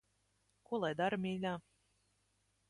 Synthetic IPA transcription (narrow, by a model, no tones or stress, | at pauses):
kuɔlˠajd̪aɾmʲiːlʲaː